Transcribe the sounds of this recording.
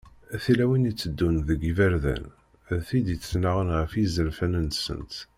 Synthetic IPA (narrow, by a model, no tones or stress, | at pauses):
æθilæwinit͡sːəd̪ːunðəɡivæɾðæ̰n | ðθid̪it͡sːnaʁənʁəfizəɾfænənsə̰nt̪